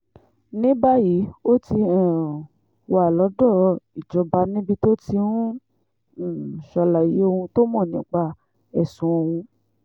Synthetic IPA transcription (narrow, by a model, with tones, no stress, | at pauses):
nĩ˦ba˦ji˨˦o˦ti˧ã˦˨ | wa˨lɔ˨˦dɔ˦˨i˨d͡ʒɔ˧ba˨˧˦nĩ˦bi˧to˦ti˧nũ˦˨ | ʃɔ˧la˨ji˨˦o˧hũ˧to˦mɔ̃˦˨nĩ˨˦k͡pa˧˨ | ɛ˨sũ˨˦o˧hũ˧